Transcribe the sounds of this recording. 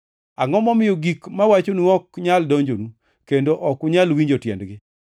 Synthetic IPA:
aŋɔmɔmɪjoɡikmawat͡ʃonuɔkɲaldoɲd͡ʒonu | kendoʔɔkʊɲalwiɲd͡ʒotjɛ̰ndɡɪ

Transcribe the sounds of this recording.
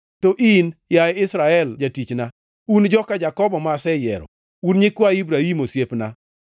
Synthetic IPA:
toʔinjajɪsɾaɛld͡ʒatit͡ʃna | und͡ʒɔkad͡ʒakɔbɔmasɛjɛ̰ɾɔ̰ | unɲɪkwaibɾahimosjepna

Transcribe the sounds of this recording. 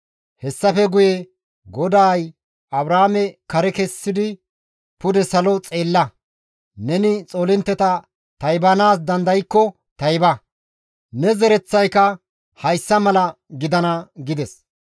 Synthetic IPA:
hɛsːɐfɛɡʊjɛ | ɡɔd̪aːj | ɐbɾaːmɛkɐɾɛkɛsːɪd̪ɪ | pʊd̪ɛsɐlɔt͡sʼe̞ːlːɐ | nɛnɪt͡sʼoːlɪnt̪ːɛt̪ɐ | t̪ɐjbɐnaːs̬d̪ɐnd̪ɐjkːɔ | t̪ɐjbɐ | nɛzɛɾɛt͡sːɐjkɐ | hɐjsːɐmɐlɐɡɪd̪ɐnɐɡɪd̪ɛs

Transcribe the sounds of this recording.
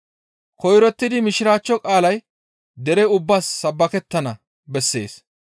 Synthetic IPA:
kɔjɾɔt̪ːɪd̪ɪmɪʃɪɾaːt͡ʃːɔkʼaːlɐj | d̪ɛɾɛʊbːaːsːɐbːɐkɛt̪ːɐnɐ | bɛsːe̞̰ːs

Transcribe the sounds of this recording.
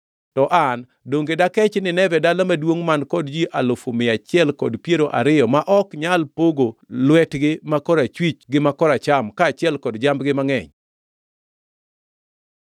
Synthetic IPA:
tɔʔan | doŋɡedakɛt͡ʃnɪnɛvɛdalamadwoŋmankɔdd͡ʒiʔalofomɪat͡ʃɪɛlkɔdpjeɾoʔa̰ɾɪjɔmaʔɔkɲalpoɡolwɛtɡɪmakɔɾat͡ʃwit͡ʃɡɪmakɔɾat͡ʃamkaːt͡ʃɪɛlkɔdd͡ʒambɡɪmaŋɛ̰ɲ

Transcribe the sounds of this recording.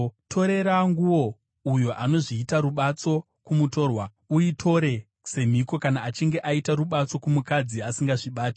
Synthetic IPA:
tʰo̞ɾe̞ɾaŋɡuwo̞ | ujo̞ʔano̞ʐiːtaɾuɓat͡so̞ | kumuto̞ːrwa | uitʰo̞ɾe̞ | se̞m̤iko̞kanaːt͡ʃiŋɡe̞ʔaitaruɓat͡so̞kumukad͡ziasiŋɡaʐiɓaːti

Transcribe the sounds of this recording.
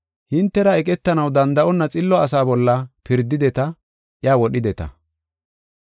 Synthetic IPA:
hɪnt̪ːɛɾɐɛkʼɛt̪ːɐnɐwd̪ɐnd̪ɐʔɔnːɐt͡sʼɪlːɔɐs̬aːbɔlːɐpɪɾd̪ːɪd̪ɛt̪ɐ | ʔjaːwɔɗɪd̪ɛt̪ɐ̰

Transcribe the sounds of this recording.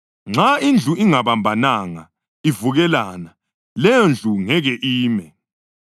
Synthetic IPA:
ŋ͡ǁaind͡ɮʱuʔiŋaβambʱanaŋa | ivuɣɛlana | lɛjɔnd͡ɮʱuŋɛɣɛʔiːmɛ

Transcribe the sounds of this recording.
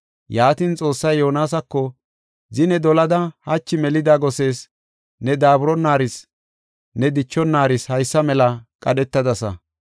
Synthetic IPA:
jaːt̪int͡sʼo̞ːsːɐjːo̞ːnaːsɐkːɔ | zɪnɛd̪ɔlɐd̪ɐhɐt͡ʃːɪmɛlɪd̪aːɡɔse̞ːs | nɛd̪aːbʊɾɔnːaːɾɪs | nɛd̪ɪt͡ʃːɔnːaːɾɪshɐjsːɐmɛlɐkʼɐɗɛt̪ːɐd̪ɐsɐ̰

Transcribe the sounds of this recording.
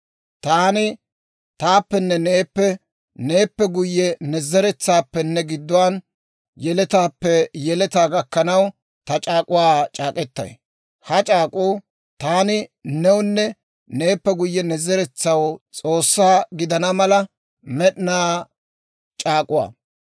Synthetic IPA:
t̪aːnɪ | t̪aːpːɛnːɛne̞ːpːɛ | ne̞ːpːɛɡʊjːɛnɛzɛɾɛt͡sːaːpːɛnːɛɡɪd̪ːʊwaːn | jɛlɛt̪aːpːɛjɛlɛt̪aːɡɐkːɐnɐw | t̪ɐt͡ʃʼaːkʼʊwaːt͡ʃʼaːkʼɛt̪ːɐ̰j | hɐt͡ʃʼaːkʼuː | t̪aːnɪnɛwʊnːɛ | ne̞ːpːɛɡʊjːɛnɛzɛɾɛt͡sːɐwt͡sʼo̞ːsːaːɡɪd̪ɐnɐmɐlɐ | mɛɗnaː | t͡ʃʼaːkʼʊwa̰ː

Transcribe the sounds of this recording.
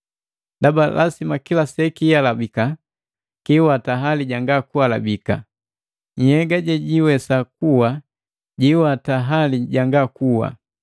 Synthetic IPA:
dabalʔa̰simakilasɛkijalabika | kiwataɦaliɟaŋɡakuwala̰bika̰ | ɲ̩hɛɡaɟɛɟiwɛsakuwa | ɟiwataɦaliɟaŋɡakuwa̰

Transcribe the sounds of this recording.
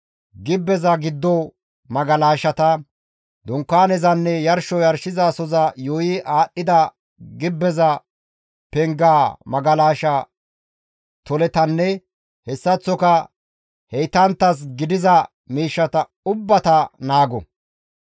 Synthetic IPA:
ɡɪbːɛzɐɡɪd̪ːɔ | mɐɡɐlaːʃɐt̪ɐ | d̪ʊŋkːaːnɛzɐnːɛjɐɾʃɔjɐɾʃɪzaːsɔzɐjoːjiʔaːɗːɪd̪ɐ | ɡɪbːɛzɐ | pɛŋɡaːmɐɡɐlaːʃɐ | t̪ɔlɛt̪ɐnːɛ | hɛsːɐt͡sːɔkɐ | hɛjt̪ɐnt̪ːɐs̬ɡɪd̪ɪzɐ | miːʃːɐt̪ɐ | ʊbːɐt̪ɐnaːɡɔ̰

